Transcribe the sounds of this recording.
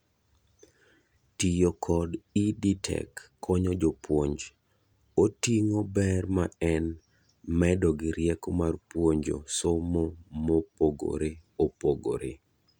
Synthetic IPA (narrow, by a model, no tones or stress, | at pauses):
tijokʰɔdiditʰɛ̰kʰː | ɔɲɔd͡ʒopwoɲd͡ʒ | otiŋobɛrmaɛn | mɛdɔɡɪɾjɛkomarpwoɲd͡ʒo̰somomopoɡo̰ɾeopoɡo̰ɾḛ